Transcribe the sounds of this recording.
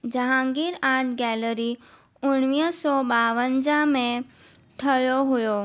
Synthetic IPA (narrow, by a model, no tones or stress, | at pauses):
d͡ʑɐɦãŋɡiːɾaːɾʈɡɛːləɾi | ʊɽ̃ʋiːɦsɔːɓaːʋənd͡ʑamẽ | ʈʰɐjoɦʊjo